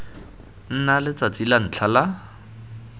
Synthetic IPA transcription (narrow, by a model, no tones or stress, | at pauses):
n̩nalɪt͡sat͡silan̩t͡ɬʰala